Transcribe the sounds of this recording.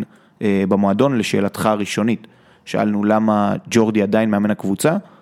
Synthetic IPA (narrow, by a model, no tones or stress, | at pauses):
n | ʔebamoado̞nleʃe̞̰ːlatχaʁiʃo̞nit | ʃo̰ʔa̰lnulamad͡ʒo̞ʁdiadainmeame̞nakvut͡sa